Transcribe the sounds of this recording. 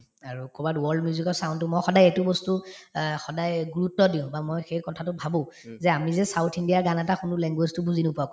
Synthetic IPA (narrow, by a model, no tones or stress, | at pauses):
aɹukʰobatwɔldmiuzikɔsaʊ̃ntʊmɔjxɔdajɛtʊbɔstuxɔdajɡuɹutːɔdiʊ̃bamojxejkɔtʰatʊbʱabʊ̃ | zɛamizɛsawtʰindijaɹɡanɛtakxʊnʊlɛŋɡweztʊbuzinʊpuakɔ